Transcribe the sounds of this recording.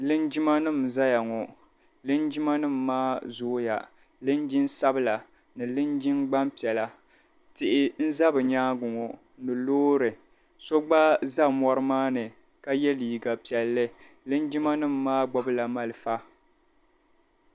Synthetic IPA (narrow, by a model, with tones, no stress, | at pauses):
lɨ˦nd͡ʒi˦ma˦nɨ˦˨mza˦ja˨ŋɔ˨ | lɨ˦nd͡ʒi˦ma˦nɨ˦mːaː˦zʊ˦ja̰˨ | lɨ˦nd͡ʒɪ˦nsa˦bɨ˦la˨ | nɨ˨lɨ˦nd͡ʒɪ˦ŋɡ͡ba˦mpi˨ɛ˨la˨ | tɪ˨ʔɪ˦n̩˦za˦bɨ˨ɲaː˦ɡʊ˨ŋɔ˨ | nɨ˨loː˦ɾɨ˨ | so˦ɡ͡ba˦za˦mɔ˦ɾɨ˦maː˦nɨ˨ | ka˦jɛ˦liː˨ɡa˨pi˨ɛ˨lːɨ˦ | lɨ˦nd͡ʒi˦ma˦nɨ˦˨mːaː˦ɡ͡bɔ˦bɨ˦la˨ma˦lɨ˨fa˦